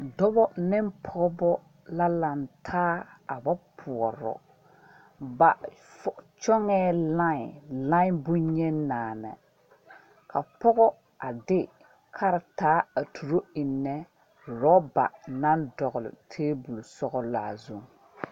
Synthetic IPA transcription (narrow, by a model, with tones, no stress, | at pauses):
dɔ˦bɔ˦nɪ˦mpʰɔ˦bɔ˦ | la˦la˨ntʰaː˦a˨ba˦pʰʊ˨ɔ˨ɾɔ̰˨ | ba̰˨ft͡ʃɔ˦ŋɛː˦la˦˨lã˦bʊ˦ɲɛ˦nːaː˨nɛ̰˨ | kʰa˨pɔ˦ɣɔ˦ | a˨dɪ˦ | kʰa˦ɾɪ˨taː˦a˨tʰu˨ɾo˦ɪ˨nːɛ˦˨ | ɾɔ˦ba̰˨na˦ndɔ˨ɣʊ˨lʊ̰˨tʰeː˦bu˨lu˨sɔ˦ɣɔ˦la̰ː˨zu˦˨ŋ